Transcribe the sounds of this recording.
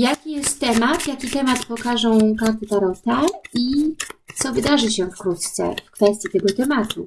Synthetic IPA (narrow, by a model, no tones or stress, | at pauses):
jakʲijɛst̪ːɛmat̪jakʲit̪ɛmat̪pɔkaʐɔ̃w̃kaɾt̪ɘt̪aɾɔt̪ait̪sɔvɘd̪aʐɘɕɛfkɾut̪t̪sɛ̰fkfɛst̪ʲjit̪ɛɡɔt̪ɛmat̪u